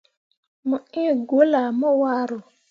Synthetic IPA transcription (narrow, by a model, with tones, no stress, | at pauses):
mʊ˨i˦˨ɡo˨˦la˨mɔ˦wa˦ɾo˨